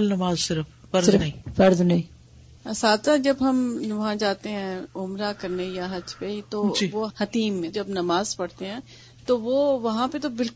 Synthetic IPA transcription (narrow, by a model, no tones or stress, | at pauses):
lnɐmaːzsɪɾəf | fɐɾd̪nɐĩfɐɾd̪nɐɦĩ | ɐsaːd̪sãd͡ʒɐbɦɐmʋɐɦãd͡ʒaːt̪eɦɛ̃ːʊmɾakɐɾnejaɦɐd͡ʒpet̪od͡ʒiːʋohɐt̪iːmːẽd͡ʒɐbnɐmaːzpɐɽt̪eɦɛ̃ː | t̪oʋoːʋɐɦãpet̪obɪlk